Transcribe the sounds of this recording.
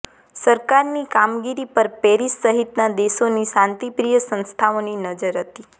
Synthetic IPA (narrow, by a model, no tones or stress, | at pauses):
səɾkaɾnikamɡiɾipəɾpeɾisːəɦit̪nad̪eʃonisãnt̪ipɾijəsə̃nst̪ʰaoninəd͡ʒəɾɦət̪i